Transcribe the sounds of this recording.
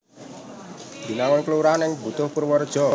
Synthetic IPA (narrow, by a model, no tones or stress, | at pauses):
d̪i̤nawənkluɾanɪŋbut̪ʊhpuɾwɔrd̥ʒ̥ɔ